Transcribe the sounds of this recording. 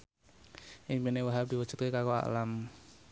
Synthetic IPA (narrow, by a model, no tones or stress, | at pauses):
ʔiŋpinewaɦap̚d̥̪i̤wə̥ʒ̥ṳ̥t̪̚kwekakoa̰ʔlam